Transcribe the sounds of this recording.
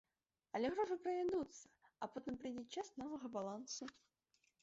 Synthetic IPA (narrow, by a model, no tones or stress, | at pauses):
ɐlʲɪɣɾoʐɨpɾəvʲɪd̪ut̪sə̥ɐpot̪əmpɾʲɪdʲit̪̚t͡ɕːasnovəɣəbalˠansʊ